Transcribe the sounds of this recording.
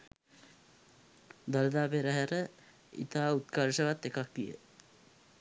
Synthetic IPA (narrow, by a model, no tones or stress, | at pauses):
d̪aɾəd̪aːpeɾəɦəɾə | ḭt̪aːut̪kaɾʃəʋat̪ːekak̚d̪ijə̰